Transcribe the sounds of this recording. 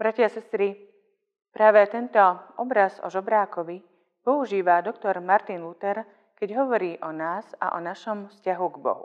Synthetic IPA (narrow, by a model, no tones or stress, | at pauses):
bɾacasɛst̪ɾi | pɾaːʋɛt̪ɛnt̪ɔʔɔbɾazɔ̰ʒɔbɾaːkɔʋi | pɔuʒiːʋad̪ɔkt̪ɔɾmaɾt̪inlut̪ɛɾ | kɛɟɦɔʋɔɾiːʔɔnaːza̰ʔɔnaʃɔmfscaɦuɡbɔ̰ɦṵ